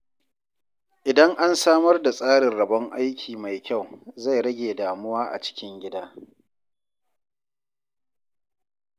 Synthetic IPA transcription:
ʔɪ˨dɐ˦ŋʔa˦nsaː˦mɐ˦rda˨sʼaː˦ɽɪ˨nɽɐ˨bɐ˦ŋʔa˦jkʲʰiː˨ma˨jkʲa˦˨wza˦˨jɽɐ˦ɡʲeː˨daː˨mʊ˦waː˦ʔa̰˨t͡ʃɪ̥˦kʲɪ˦ŋɡʲɪ˦daː˦

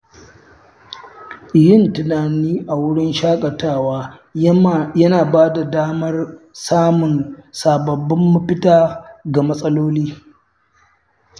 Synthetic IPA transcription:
jɪ˦˨ntɪ˨naː˨niː˦ʔa˨wʊ˦ɽɪ˦nʃaː˦kʼɐ˨taː˦˨waː˦ | jɐ˦naː˨baː˦da˨daː˦mɐ˦rsaː˦mʊ˨nsaː˨bɐ˨bːɪ˦mːʊ˦ɸɪ˦taː˦ɡa˨mɐ˦sʼɐ˦loː˦liː˦

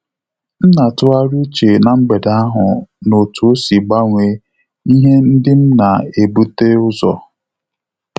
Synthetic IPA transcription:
n̩˦na˨tʊ˦a˦ɾu˦t͡ʃe˨na˨m̩˦ɡ͡be˨da˦a˦ɦʊ˨no˨tu˨o˦si˨ɡ͡ba˦ŋʷe˨ | i˦ɦe˦n̩˦dɪ˦m̩˦na˨e˨bu˦te˦ʊ˦zɔ̰˨

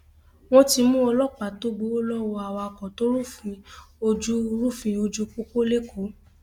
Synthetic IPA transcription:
w̃ɔ̃˦ti˧mũ˦ɔ˧lɔ˦k͡pa˨to˦ɡ͡bo˨˧o˦lɔ˦wɔ˧a˨wa˧kɔ̃˨to˦ɾu˦fĩ˧o˧d͡ʒu˦ɾu˦fĩ˧o˧d͡ʒu˦k͡po˦ko˦le˦kʰo˨˦

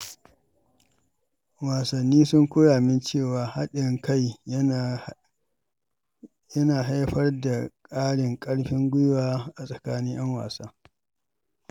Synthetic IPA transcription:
waː˨sɐ˨nːiː˦sʊ˦ŋkʷʊ˦jaː˨mɪ˦nt͡ʃeː˦˨waː˨ha̰˦ɗɪ˨ŋka˦˨j | jɐ˦naː˨ɦa˦jɸɐ˦rda˨kʼaː˦ɽɪ˨ŋkʼɐ˦ɽɸɪ˦ŋɡʷʊ˦jwaː˦ʔa˨sʼɐ˨kaː˦ni˦ʔɐ˦ŋwa̰ː˨saː˦

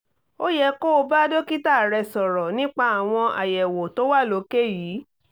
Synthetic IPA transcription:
o˦jɛ˧ko˦˧ba˦do˦ki˦ta˦˨ɾɛ˧sɔ˨ɾɔ˨nĩ˦k͡pa˧a˨w̃ɔ̃˧ʔa˨jɛ˨wo˨to˨˦wa˦˨lo˨˧˦ke˦jiː˨˦

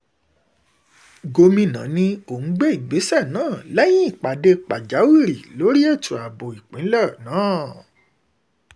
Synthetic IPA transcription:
ɡo˧mĩ˧nã̰˨˦nĩ˧o˨ñ̩˦ɡ͡be˦i˦˨ɡ͡be˨˦sɛ˦˨nãː˦˨lɛ˦j̃ĩ˦i˦˨k͡pa˨de˧k͡pa˨d͡ʒa˨˦wi˦˨ɾi˨lo˨˦ɾi˦e˦˨tʰu˨a˨bo˨i˨k͡pĩ˨˦lɔ˦˨nãː˨˦˨

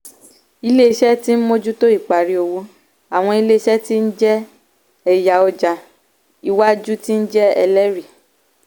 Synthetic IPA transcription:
i˧le˦i˧ʃɛ˦ti˦n̩˦mo˦d͡ʒu˦to˦i˦˨k͡pa˨ɾi˧o˧wu˧ | a˨w̃ɔ̃˧i˧le˦i˧ʃɛ˦ti˦n̩˦d͡ʒɛ˦ | ɛ˨ja˨ɔ˧d͡ʒa˨ | i˧wa˦d͡ʒu˦ti˦n̩˦d͡ʒɛ˦ɛ˧lɛ˦ɾi˨

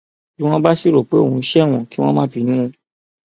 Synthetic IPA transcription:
ki˦w̃ɔ̃˦ba˦si˦ɾo˨k͡pe˦o˦˨ũ˧˦ʃɛ˦˨w̃ɔ̃˨ki˦w̃ɔ̃˦mãː˦fi˨˧˦nũ˦ũ˧

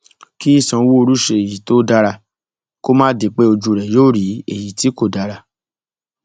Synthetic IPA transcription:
ki˦i˦˨sã˧wu˦o˧ɾu˦ʃe˧e˨ji˨to˦da˧ɾa˧ | ko˦mãː˦de˨k͡pe˦o˧d͡ʒu˧ɾɛ˨joː˦˨ɾi˨˦ḛ˨ji˨ti˨˦ko˦˨da˧ɾa˧

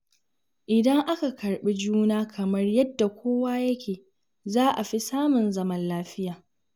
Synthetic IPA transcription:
ʔɪ˨dɐ˦ŋʔa˦ka˨kɐ˨rɓi˦d͡ʒuː˦naː˦kʰɐ˨mɐ˦rjɐ˦dːa˨kʷoː˦waː˦jɐ˦kʲeː˨ | zaː˦ʔa˨ɸi˦saː˦mʊ˨nzɐ˦mɐ˦nlaː˦ɸɪ˦jaː˨

